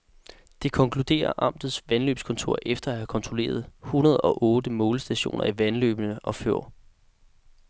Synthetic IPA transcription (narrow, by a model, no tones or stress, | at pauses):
d̥e̝kʰɒ̽ŋkʰlud̥e̝̰ːɐʔɑ̈m̰d̥ð̩ˠsʋænlø̰ːb̥skʰɔ̽nt͡sʰo̝ɐ̰ʔefd̥ɐæhækʰɒ̽nt͡sʰʁole̝̰ːɐð̞̩ˠhunɐð̞ˠɒ̽ʔɔ̽ːd̥əmɔːləsd̥æɕo̝̰ːnʔɐiʋænlø̰ːb̥ənəʔɒ̽føɐ̰